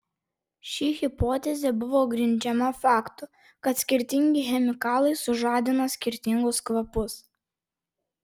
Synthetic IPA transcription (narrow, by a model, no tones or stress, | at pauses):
ʃʲiːɣʲɪpoːt̪ʲɛzʲɛbʊʋoːɡɾʲɪnʲd͡ʒʲɛmɐfɑːkt̪ʊ | kɐt̪sʲkʲɪɾʲt̪ʲɪŋʲɡʲɪxʲɛmʲɪkɑːlˠɐɪsʊʒɑːd̪ʲɪnoːsʲkʲɪɾʲt̪ʲɪŋɡʊskʋɐpʊs